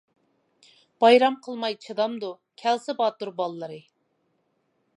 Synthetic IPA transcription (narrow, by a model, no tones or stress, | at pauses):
b̥ɑjɾɑmqʰəlˠmɑjt͡ʃʰɨd̪ɑmd̪u | kʲʰɛlsɪbɑːt̪uɾbɑlˠəːɨɾɨ